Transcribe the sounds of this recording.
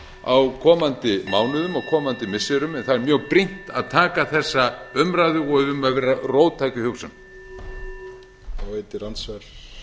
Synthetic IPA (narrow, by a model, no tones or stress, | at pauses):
awkʰɔːmant̪ɪmaːwnʏðʏmawkʰɔːmant̪ɪmɪsːɪɾʏmɛnθaðɛɾmjœːɣpɾin̥t̪a̰ðt̪ʰaːkaθɛsːaʏmɾajðʏɔɣðʏmaðvɛːɾaroːwt̪ʰaːjcʏhjowsʏn | awveːjt̪ɪrant̪svḁ